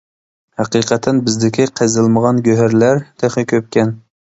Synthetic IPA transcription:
hæqiːqʰɛt̪ʰːɛnbɪzd̪ɪkʲʰiqʰəzɨlˠməʁɑnɡʲøɦæɾlæɾt̪ʰɛχɪkʲʰøp̚kʲʰɛn

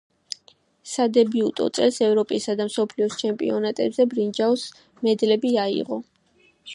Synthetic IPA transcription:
sad̪ɛbiut̪ʼɔ̰t̪sʼɛlsɛvɾɔpʼisad̪amsɔpʰliɔst͡ʃʰɛmpʼḭɔnat̪ʼɛbzɛbɾind͡ʒaws | mɛd̪lɛbiaḭʁɔ

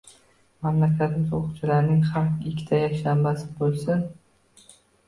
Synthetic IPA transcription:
mamlakʲʰat̪ʰɪmɪzoqʰʊt͡ʃʰɪlaɾnɪŋχaɾqɪkʲʰːɪ̥t̪ʰajakʃambasɪbolˠsɪn

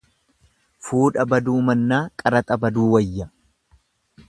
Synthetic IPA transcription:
fuːᶑɐbɐd̪uːmɐnːaːkʼɐɾɐt̪ʼɐbɐd̪uːwɐjːɐ

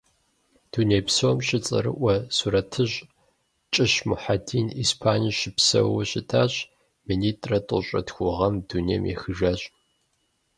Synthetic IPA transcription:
d̥uneːpsomɕɪt͡sʼɐ̰ɾɨ̰ʔʷɐsuɾɐtʰɨɕʼ | t͡ʃʼɪɕmʊħadiːnispʰaːniʃɪpsɐ̰wɐɕɪtʰaːɕʼ | miniːtʼrɐtʼʊɕʼɐ̰txʷʊʁɐmdunej̰mjḛxɨʒɐɕʼ

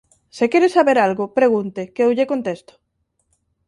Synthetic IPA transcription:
sekeɾesaβeɾalɣopɾeɣ̞unt̪ekeowʎekont̪est̪o̥

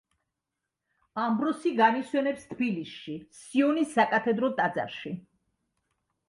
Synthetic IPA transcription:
ambɾɔsiɡaniswɛnɛpst̪ʰbilisʃisiɔnisːakʼat̪ʰɛd̪ɾɔt̪ʼad̪za̰ɾʃi

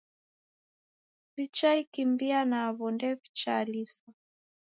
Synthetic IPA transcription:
vit͡ʃaikimbianaːβɔndɛβit͡ʃalisa

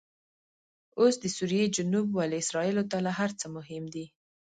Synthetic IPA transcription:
osd̪əsuɾijed͡ʒʊnubwaleɪsɾɑilot̪alaɦaɾt͡səmʊɦɪmd̪i

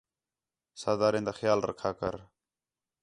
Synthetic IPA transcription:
saːd̪aːɾẽːnd̪aːxjaːlɾə̰kʰaːkəɾ

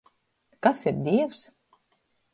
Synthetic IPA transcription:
kasiɾd̪ʲiɛws

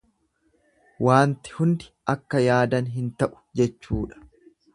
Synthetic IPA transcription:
waːnt̪ɪ̥hʊnd̪ɪ̥ʔɐkːɐjaːd̪ɐnɦɪnt̪ɐʔʊ̥d͡ʒɛt͡ʃːuːᶑɐ̥

